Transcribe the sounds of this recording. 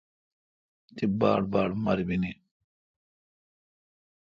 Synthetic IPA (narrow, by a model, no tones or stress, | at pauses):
t̪iba̰ːɽbaːɽmɐɾbini